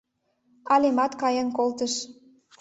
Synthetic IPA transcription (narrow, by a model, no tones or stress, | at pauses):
ɑlemɑt̪kɑjənkolt̪əʃ